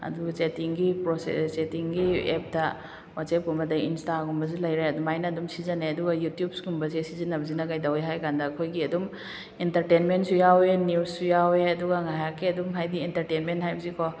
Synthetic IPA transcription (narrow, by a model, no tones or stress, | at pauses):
ɐ̰duɡat͡ʃetiŋɡipɾosḛt͡ʃetiŋɡiep̚dɐ | wasep̚ɡumbɐdɐinstaɡumbɐs̬ilɐjɾeɐdumajnɐdumsizɐneɐduɡɐjutijub̚sɡumbɐsesizinɐbɐzinɐɡajdaweɦajkandɐːkʰojɡiɐdum | entɐɾtenmentsujawenissujaweɐduɡaŋajakːeɐdumɦajdientɐɾtenmentɦhajbɐzikʰo